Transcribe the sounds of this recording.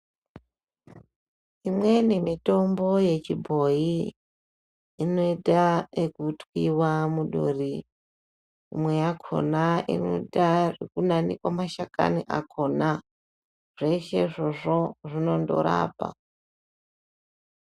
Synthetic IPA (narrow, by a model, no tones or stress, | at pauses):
imwe̞nemito̞mboje̞t͡ʃibʱo̞i | ino̞idaekutwiwamuɗṵri | imwe̞jakʰo̞̰naʔḭno̰ɗarekunanḭkwamaʃaka̰niʔa̰kʰo̞na | ʐ̥eiʃe̞ʐo̞ʐoʐino̞ndo̰ɾa̰ːpa̰